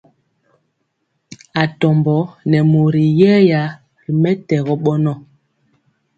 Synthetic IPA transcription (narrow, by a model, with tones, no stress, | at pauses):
a˨tɔ˨mbɔ˨˦nɛ˨mo˨ɾi˨jɛː˦ja˨˦ | ɾi˨mɛ˦tɛ˨ɣɔ˦ɓɔ˦nɔ˦˨